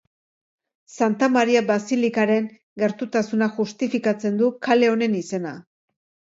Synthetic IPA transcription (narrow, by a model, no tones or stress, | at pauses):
sant̪amaɾiabasilikaɾe̞ŋ | ɡe̞ɾt̪ut̪asunaʝust̪ifikat͡se̞nd̪ukale̞o̞ne̞nise̞na